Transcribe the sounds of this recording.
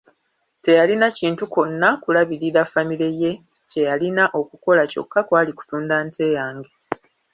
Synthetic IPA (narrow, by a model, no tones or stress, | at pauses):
te̞jalinaciːntuko̞nːakulaβiɾiɾafamiɾe̞je̞ | ce̞jalinaʔo̞kuko̞laco̞̰kːakwaːliku̥tuːndaːntʰe̞ːjaːŋɡe